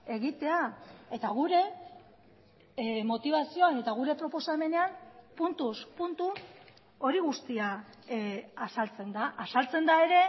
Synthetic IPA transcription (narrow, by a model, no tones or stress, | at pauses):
e̞ɣit̪e̞ae̞t̪aɣ̞uɾe̞ | mo̞t̪iβ̞asio̞ane̞t̪aɣ̞uɾe̞pɾo̞po̞same̞ne̞ampunt̪uspunt̪u | o̞ɾiɣust̪ia | asalt͡se̞nd̪aʔːsalt͡se̞nd̪ae̞ɾe̞